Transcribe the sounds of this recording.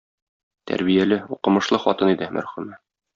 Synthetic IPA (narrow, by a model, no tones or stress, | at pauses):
t̪ʰæ̰ɾbijælɘuqɤ̆mɤ̆ʃlˠɤχɒt̪ɤnid̪ɘmʔæ̰ɾχʉmæ